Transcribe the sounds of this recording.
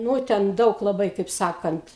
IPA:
ˈnuː tʲɛn ˈdɐʊk lˠɐˈbɐɪ kɐɪp ˈsɑːkɐnt

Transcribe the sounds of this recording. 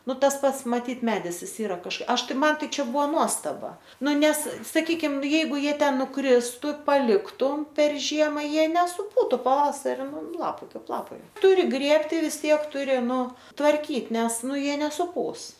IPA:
ˈnʊ ˈtɐs ˈpɐts mɐˈtʲiːt ˈmʲæːdʲɪs ˈɪs ˈiːrɐ kɐʃ ˈɐʃ tɐɪ ˈmɐn ˈtɐɪ ˈt͡ʃʲɛ ˈbʊʋoː ˈnuɔstɐbɐ ˈnʊ ˈnʲɛs sɐˈkʲiːkʲɪm ˈjɛɪɡʊ ˈjiɛ ˈtʲɛn nʊˈkrʲɪstʊ pɐˈlʲɪktʊm pʲɛr ˈʒʲiɛmɐ ˈjiɛ nʲɛsʊˈpuːtʊ pɐˈʋɑːsɐrʲɪ ˈnʊ ˈlˠɑːpɐɪ ˈkɐɪp ˈlˠɑːpɐɪ ˈtʊrʲɪ ˈɡrʲeːpʲtʲɪ ʋʲɪs ˈtʲiɛk ˈtʊrʲɪ ˈnʊ tʋɐrʲˈkʲiːt ˈnʲɛs ˈnʊ jiɛ nʲɛsʊˈpuːs

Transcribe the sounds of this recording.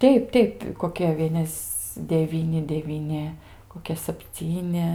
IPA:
ˈtʲɛɪp ˈtʲɛɪp koːˈkʲɛ ˈʋʲiɛnʲɛs dʲɛˈʋʲiːnʲɪ dʲɛʋʲiːˈnʲɪ koːˈkʲɛ sɐpʲˈt͡sʲiːnʲɪ

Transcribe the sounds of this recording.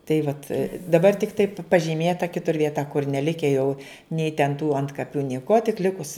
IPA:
tɐɪ ˈʋɐt dɐˈbɐr tʲɪkˈtɐɪ pɐʒʲiːˈmʲeːtɐ ˈkʲɪtʊr ʋʲiɛˈtɐ kʊr nʲɛˈlʲɪkʲɛ jɛʊ nʲɛɪ tʲɛn tuː ˈɐntkɐpʲʊ nʲiɛˈkuɔ tʲɪk ˈlʲɪkʊs

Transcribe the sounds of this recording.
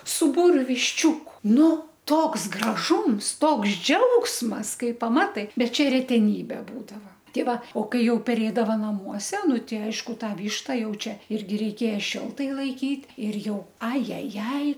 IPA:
sʊ ˈbuːrʲʊ ʋʲɪʃʲˈt͡ʃʲuːkʊ ˈnʊ ˈtoːks ɡrɐˈʒuːms ˈtoːks ˈd͡ʒʲɛʊksmɐs ˈkɐɪ pɐˈmɑːtɐɪ ˈbʲɛt ˈt͡ʃʲɛ rʲɛtʲɛˈnʲiːbʲɛ ˈbuːdɐʋɐ ˈtʲɛɪ ˈʋɐ oː ˈkɐɪ ˈjɛʊ pʲɛˈrʲeːdɐʋɐ nɐˈmuɔsʲɛ ˈnʊ ˈtʲɪ ˈɐɪʃkʊ ˈtɑː ˈʋʲiːʃtɐ ˈjɛʊ ˈt͡ʃʲɛ ˈɪrʲɡʲɪ rʲɛɪˈkʲeːjɛ ˈʃʲɪlˠtɐɪ lˠɐɪˈkʲiːtʲ ˈɪr ˈjɛʊ ɐ ˈjɛ ˈjɛɪ

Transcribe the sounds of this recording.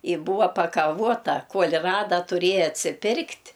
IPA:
iː ˈbuːʋɐ pɐkɐˈʋuɔtɐ ˈkuɔlʲ ˈrɑːdɐ tʊˈrʲeːjɛ ɐtʲsʲɪˈpʲɪrktʲ

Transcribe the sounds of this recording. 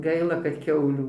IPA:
ˈɡɐɪlˠɐ kɐt ˈkʲɛʊlʲuː

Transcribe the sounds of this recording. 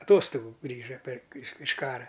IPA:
ɐˈtoːstoːɡʊ ˈɡrʲiːʒɐ pʲɛr ɪʃ ɪʃ ˈkɑːrɐ

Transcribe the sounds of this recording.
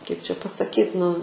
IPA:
kɐɪp t͡ʃʲɛ pɐsɐˈkʲiːt nʊ

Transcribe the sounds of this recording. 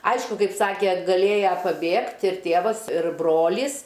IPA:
ˈɐɪʃkʊ ˈkɐɪp ˈsɑːkʲeː ɡɐˈlʲeːjɛ pɐˈbʲeːkt ɪr ˈtʲeːʋɐs ɪr ˈbroːlʲiːs

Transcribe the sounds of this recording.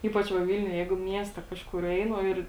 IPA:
ˈiːpɐt͡ʃ ʋɐ ˈʋʲɪlʲnʲʊj ˈjɛɪɡʊ ˈmʲiɛsʲtʲɛ ˈkɑːʃkʊr ˈɛɪnʊ ˈɪr

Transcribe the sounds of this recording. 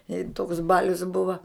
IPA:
ɪ toːks ˈbɑːlʲʊs ˈbʊʋɐ

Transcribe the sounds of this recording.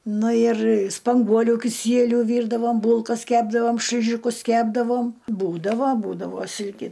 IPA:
ˈnʊ ɪr spɐŋˈɡuɔlʲʊ kʲɪˈsʲiɛlʲʊ ˈʋʲiːrdɐʋoːm ˈbuːlˠkɐs ˈkʲæːbdɐʋoːm ʃʲlʲɪˈʒʲɪkʊs ˈkʲæːbdɐʋoːm ˈbuːdɐʋoː ˈbuːdɐʋoː ˈsʲɪlʲkʲɪ

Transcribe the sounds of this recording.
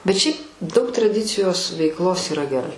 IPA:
bʲɛt ˈʃʲɛɪp ˈdɐʊk trɐˈdʲɪt͡sʲɪjoːs ʋʲɛɪkˈlˠoːs iːˈrɐ ɡʲɛˈrɐɪ

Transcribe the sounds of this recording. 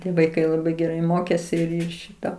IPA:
ˈtʲiɛ ʋɐɪˈkɐɪ lˠɐˈbɐɪ ɡʲɛˈrɐɪ ˈmoːkʲeːsʲɪ ˈʃʲɪtɐ

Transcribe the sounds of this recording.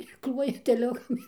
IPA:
ɪ ˈklˠuɔjɛ tʲɛˈlʲʊkɐm

